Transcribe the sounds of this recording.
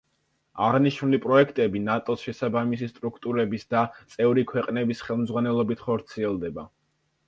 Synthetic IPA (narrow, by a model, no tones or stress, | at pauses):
aʁniʃnulipʼɾɔɛkʰt̪ʼɛbinat̪ʼɔsʃɛsabamisist̪ʼɾukʰt̪ʼuɾɛbisd̪at̪sʼɛvɾikʰwɛqʼnɛbisχɛlˠmd̪zʁwanɛlˠɔbit̪ʰχɔɾt̪sʰiɛlˠd̪ɛba